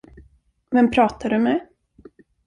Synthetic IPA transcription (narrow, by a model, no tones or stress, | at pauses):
vɛnpʰɾɑːt̪aɖɵmɛ